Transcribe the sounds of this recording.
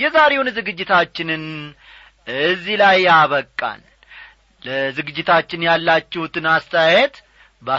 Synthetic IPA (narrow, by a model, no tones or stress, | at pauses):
jɛzaɾe̞wnzɨɡɨd͡ʒːɪt̪ʰat͡ʃːɪnɨn | ɨzːilajaβəkʼːa̰n | ləzɨɡɨd͡ʒːɪt̪ʰat͡ʃːɪnjalːat͡ʃːɪhut̪ʰɨnast̪ʰəjajɛt̪ | ba